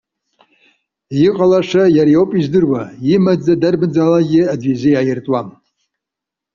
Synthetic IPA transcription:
jiqʼalaʂajaɾijowpʼizdɨrwaimad͡zadarbɨd͡zalaɡʲɪadɥizɨjajɪrtʼwam

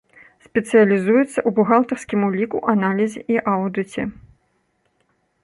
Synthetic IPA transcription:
sʲpʲɛt̪sɨjɐlʲizujɛt̪sːɐʔubuɣalˠt̪ɐrsʲkʲimulʲikuʔanalʲizʲɛʔiʔawd̪ɨt͡sʲɛ

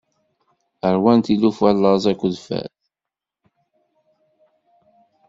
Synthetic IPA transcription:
əɾwænt̪ilufælːəzˤækʷːðfæ̰l

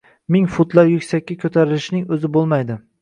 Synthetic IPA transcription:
mɪŋfʊt̪lˠaɾjʊkʲsakʲːakʲʰɵt̪ʰaɾɪlɪʃnɪŋɵzɪbolˠmajd̪ɪ

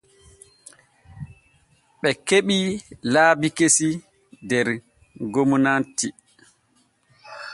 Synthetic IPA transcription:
ɓɛkeɓilaːbikesi | dɛɾ | ɡomunanti

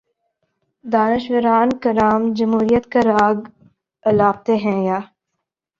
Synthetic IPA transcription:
d̪aːnɪʃɡəɾaːnkɐɾaːmd͡ʒɐmɦuːɾijət̪kaɾaːɡ | ɐlaːp̚t̪eɦɛ̃jaː

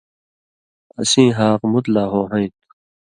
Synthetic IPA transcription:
ɐ̰sĩːɦaːqmut̪laːɦoːɦɐ̃ĩt̪̚

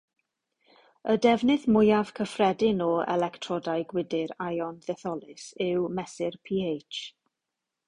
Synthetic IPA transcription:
ədɛvnɪðmʊjav̥kʰəfrɛdɪnɔɛ̰lɛktʰrɔdajɡwɪdɪɾajɔnðɛθɔlˠɪsɪwmɛsɪrpʰiːejt͡ʃ

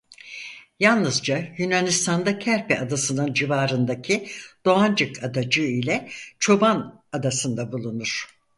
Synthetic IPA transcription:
jalˠnɯzd͡ʒajynanist̪ʰand̪acʰæɾpʰɛad̪asɯnɯnd͡ʒivaːɾɯnd̪acʰid̪̥o̞and͡ʒɯkʰad̪ad͡ʒɯilʲɛt͡ʃʰo̞ban | ad̪asɯnd̪abulˠunuɾ̥

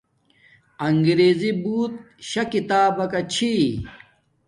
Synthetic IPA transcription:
ɐŋɡɾeːzibuːt̪̚ | ɕɐkit̪aːbɐkɐt͡ɕʰi

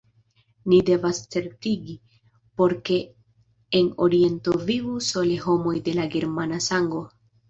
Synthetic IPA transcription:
nide̞vast͡se̞ɾtiɡi | po̞ɾke̞ː | no̞̰ɾie̞ntovivuso̞leɦo̞mo̞jde̞laɡe̞ɾmanasaŋɡo̞

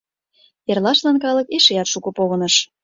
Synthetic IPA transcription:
erlɑʃlɑnkɑlɤkeʃeɑt̪ʃukɤ̆poɣɤnɤʃ

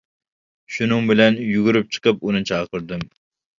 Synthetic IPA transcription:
ʃunɨŋbɪlɛnjuɡʲuɾɪp̚t͡ʃʰɨ̥qəp̚unɨt͡ʃʰɑːqəɾd̪ɨm

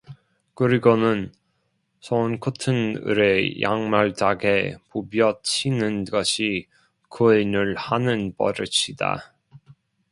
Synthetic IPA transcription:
kɯɾiɡonɯn | sʰonkʰutʰɯnɯ̰ɾe̞ja̰ŋmaɭt͡ɕaɡepubjʌt͡ɕʰinɯnɡʌɕʰi | kɯenɯɭhanɯnpʌ̰ɾɯt͡ɕʰida̰

